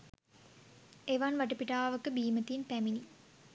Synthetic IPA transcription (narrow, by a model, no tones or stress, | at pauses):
eʋanʋaʈəpiʈaːʋəkəbiːmət̪inpæmini